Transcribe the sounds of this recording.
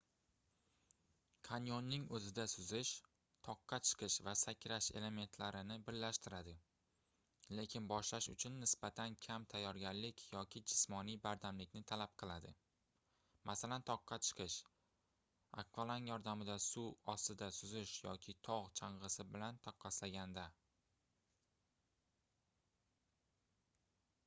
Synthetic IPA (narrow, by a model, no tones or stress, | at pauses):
kʰanjonːɪŋɵzɪd̪asʊzɪʃ | t̪ʰɒqːɑt͡ʃʰɨ̥qʰɨʃvasakʲʰɾaʃe̞̰le̞me̞nt̪ʰlaɾɪnɪbɪɾlaʃt̪ɪɾad̪ɪ | le̞kʲʰɪnbɒʃlaʃʊ̰t͡ʃʰʊnːɪsb̥at̪ʰankʲʰamt̪ʰajːɒɾɡʲaɾlɪkʲʰjɒkʲʰɪd͡ʒɪsmɒnijbaɾd̪amlɪkʲnɪt̪ʰalap̚qʰɨlˠad̪ɪ | mʔasalant̪ʰɒqːɑt͡ʃʰɨ̥qʰɨʃ | a̰kvalˠanjɒɾd̪amɪd̪asuɒst̪ɪd̪asʊzɪʃjɒkʲʰɪt̪ʰɒʁt͡ʃʰaɴʁɨsɪbɪlant̪ʰɒqʰːɑslaɡʲand̪a